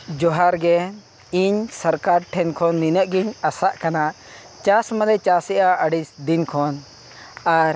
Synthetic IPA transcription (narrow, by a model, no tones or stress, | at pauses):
d͡ʒɔɦaɾɡɛ | iɲsəɾkaɾʈʰɛnkʰɔnːinəʔɡiɲasaʔkana | t͡ʃasmalɛt͡ʃasɛʔaəɖisd̪inkʰɔn | aɾ